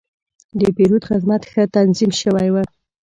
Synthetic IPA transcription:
d̪əpeɾud̪xɪzmat̪xət̪anzimʃəwajwə

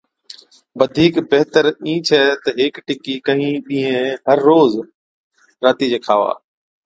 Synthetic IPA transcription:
ʋəd̪ʱiːkbeɦt̪əɾĩːt͡ʃʰɛːt̪ɐɦɪːkʈɪkikə̃ɦĩɗĩːɦẽɦəɾːoːz | ɾaːt̪iːd͡ʑeːkʰaːʋa̰ː

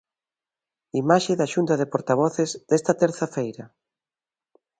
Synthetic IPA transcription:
imaʃeðaʃunt̪aðepoɾt̪aβ̞ɔθezðest̪ɐt̪eɾθafejɾɐ

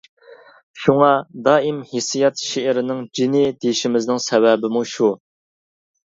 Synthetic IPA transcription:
ʃuŋɑd̪ɑːimhisijɛt̪ʃeɪɾɪnɪŋd͡ʒinɪd̪ejʃimɪznɪŋsɛwɛbɪmuʃu

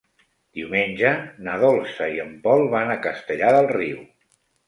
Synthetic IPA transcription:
d̪̥iwmenʲʒənəðɔlˠsəiəmpɔlˠβanəkəst̪əʎaðəlˠriw

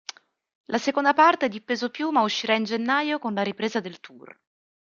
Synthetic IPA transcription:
lʔasekond̪apart̪ed̪ipeːzopjumauʃːiɾaind͡ʒenːajokonlaɾipɾeːzad̪elt̪ʰur

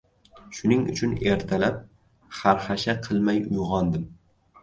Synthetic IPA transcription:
ʃʊnɪŋʊ̰t͡ʃʰʊne̞ɾt̪ʰalap̚ | χaɾχaʃaqʰɨlˠmajʊjʁɒnd̪ɪm

